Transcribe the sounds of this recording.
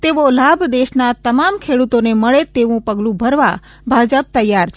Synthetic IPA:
t̪eʋolabʱd̪eʃnat̪əmamkʰeɽut̪oneməɭet̪eʋũpəɡlũbʱəɾʋa̰ | bʱad͡ʒəb̚t̪əjːaɾt͡ʃʰ

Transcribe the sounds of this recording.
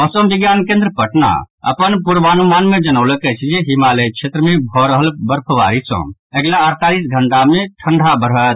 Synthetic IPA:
ɔsəmbiɡjankẽnd̪ɾəpəʈna̰ | ə̰pənpuɾʋanumaːnmed͡ʒənəʊləkɛt͡ʃʰd͡ʒeɦimalekt͡ʃʰet̪ɾəmebʱɔɾəɦəlbəɾpʰəʋa̰ɾisə̰̃ɛɡlaəɾt̪alisɡʱəɳʈamẽʈʰəɳɖʱabəɾɦət̪

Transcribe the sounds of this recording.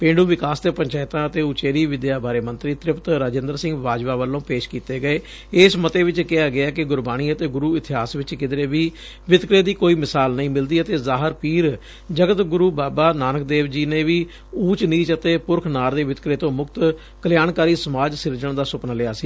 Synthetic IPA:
pẽːɳɖuːʋɪkaːsd̪eːpəɲt͡ʃaːɪt̪ãːət̪eːʊt͡ʃeːɾiːʋɪd̪jaːbaːɾeːmənt̪ɾiːt̪ɾɪpt̪ɾaːd͡ʒɪ̃nd̪əɾsɪ̃ŋɡʋaːd͡ʒʋaːʋəlːõːpeːʃkiːt̪eːɡəeː | ɪsmət̪eːʋɪt͡ʃkɪaːɡɪaːkɪɡʊɾbaːñiːət̪eːɡʊɾuːɪt̪ʰɪɦaːsʋɪt͡ʃkɪd̪ɾeːʋiː | ʋɪt̪kɾeːd̪iːkoːiːmɪsaːlnəĩːmɪld̪iːət̪eːzaːɦəɾpiːɾ | d͡ʒəɡət̪ɡʊɾuːbaːbaːnaːnək̚d̪eːʋd͡ʒiːneːʋiː | uːt͡ʃniːt͡ʃət̪eːpʊɾkʰnaːɾd̪eːʋɪt̪kɾeːt̪õːmʊkt̪ | kəljaːnkaːɾiːsəmaːd͡ʒsɪɾd͡ʒəɳd̪aːsʊpnlɪaːsiː

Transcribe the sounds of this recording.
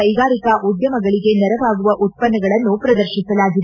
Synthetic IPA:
ɐjɡaːɾikɐʔud̪jɐmɐɡɐɭiɡe̞nɛɾɐʋaːɡuʋɐʔut̪̚pɐnːɐɡɐɭɐnːupɾɐd̪ɐɾʃisɐlaːɡid̪e

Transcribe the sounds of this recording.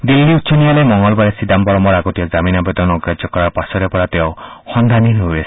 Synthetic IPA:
d̪ilːiutːsʰɔnialemɔŋɡɔlbaɾesid̪ambɔɾɔmɔɾaɡɔt̪iɔd͡ʒaminabɔd̪ɔnɔɔɡɾad͡ʒɔkɔɾaɾpasɔɾepɔɾat̪eohɔnd̪ʱaninuesi̥

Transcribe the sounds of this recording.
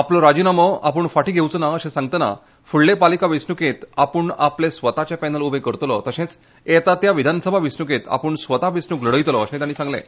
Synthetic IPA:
aplɔɾad͡ʑinaməa̰pəɳfaʈiɡʱewt͡sənaəɕẽsãŋɡ̚t̪əna̰ | fuɭːepalikaʋisnuket̪apəɳa̰plesʋət̪at͡ɕjapɛnəlubʱekəɾt̪lɔ̰t̪əɕẽt͡s | et̪at̪jaʋid̪ʱansəbʱaʋisnukẽt̪a̰pəɳsʋət̪aʋisnukləɽəjt̪lɔəɕẽt̪jañiːsãŋɡlḛ̃

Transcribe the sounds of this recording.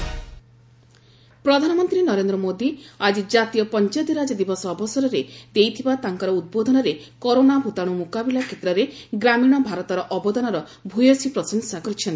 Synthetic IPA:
pɾɔd̪ʱanɔmɔnt̪ɾinɔɾend̪ɾɔmod̪iad͡ʒid͡ʒat̪ijɔpɔnt͡ʃɔjt̪iɾad͡ʒɔd̪ibɔsɔːbɔsɔɾɔɾed̪̥ejt̪ʰibat̪aŋkɔɾɔud̪̚bod̪ʱɔnɔɾekoɾonabʱut̪aɽ̃umukabilakʰet̪ɾɔɾeɡɾamiɽ̃ɔbʱaɾɔt̪ɔɾɔʔɔbɔd̪ɔnɔɾɔ | bʱujɔsipɾɔsɔnsakɔɾit͡ʃʰɔnt̪i

